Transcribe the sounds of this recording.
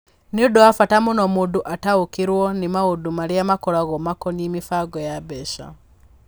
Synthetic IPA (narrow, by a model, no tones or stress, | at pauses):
niudɔafatamunɔmuduʔataukiɾwɔnimaudumaɾiamakɔɾaɣɔmakɔnimifaɡɔjabɛʃa̰